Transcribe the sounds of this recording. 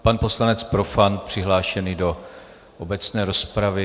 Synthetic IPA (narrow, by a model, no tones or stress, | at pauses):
panpo̞slanɛt͡spɾo̞fant̪̚pr̝̥ɪɦlaːʃɛniːdo̞ | ʔobɛt͡snɛːɾo̞spɾavɪ